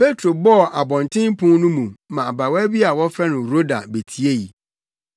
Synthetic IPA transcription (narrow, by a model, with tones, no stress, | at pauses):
pʰe˦tʰɾo˨bɔ˦˨ʔa˨bɔ̃˨ntʰɪ̃˦m˦pʰʊ̃˦n˦nʊ̃˦mũ˨mã˨a˨ba˨wɛ˦bi˦a˨wɔ˦fɾɛ˦nʊ̃˨ɾo˦da̰˨be˨tʰi˦e˦ji˨